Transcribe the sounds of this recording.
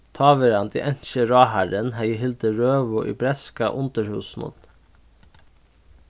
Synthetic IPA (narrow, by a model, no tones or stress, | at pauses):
t̪ʰɑːʋəɾɑnd̪ḭːʔɛnʃəɾɑːhæɾənhæɪəhɪld̪əɾøːʋʊʔḭːbɾɛskɑ̰ʔʊnt̪əɾhʉːsnʊ̰n